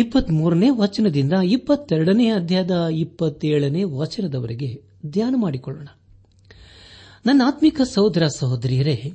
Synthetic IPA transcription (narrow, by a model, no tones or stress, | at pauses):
ipːɐt̪ːmuːɾɐneːʋɐt͡ʃɐnɐd̪ind̪ɐipːɐt̪ːɛɾɐɽɐneːɐd̪ʱjajɐd̪ɐipːɐt̪ːeːɭɐneːʋɐt͡ʃɐnɐd̪ɐʋɐɾiɡe̞ | d̪jaːnɐmaːɽikɔɭːo̰ːɳɐ | nɐnːaːt̪mikɐsɐɦod̪ɾaːsɐɦod̪ɾijɐɾe̞